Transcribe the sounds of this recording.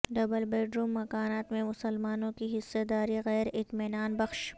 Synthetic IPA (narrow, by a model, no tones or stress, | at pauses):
ɖɐbəlbeːɖɾuːmːɐkaːnaːt̪mẽmʊsəlmaːnõkiɦɪsːed̪aːɾiɣɛːɾɪt̪mɪnaːnbɐxʃ